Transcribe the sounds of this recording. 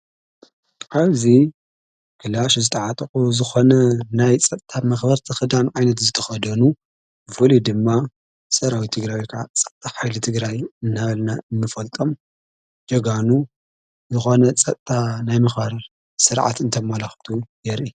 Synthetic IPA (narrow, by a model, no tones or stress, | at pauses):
ʔaβzi | kʰɨlaʃzɨt̪ʰɐʕat̪ʼɐkʼuzɨxo̞nɐnajt͡sʼɐt̪ʼt̪ʰʼamɐxbɐɾt̪ʰɨxɨd̪amʕajnɐt̪zɨt̪ʰɐ̥xɐd̪ɐnu | fɨlid̪ɨmːa | sʼɐɾawit̪ʰɨɡɾawikʰɐʕat͡sʼɐ̥t̪t̪ʼaħajlɨt̪ʰɨɡɾajɨnːaβɐlnaʔɨnːɨfɐlt̪ʼo̞m | d͡ʒɐɡanu | zɨxo̞nɐt͡sʼɐt̪ʼt̪ʼanajmɐxbɐɾ | sɨɾʕa̰t̪ɨnt̪ʰɐmɐlaxt̪ʰujɛɾʔi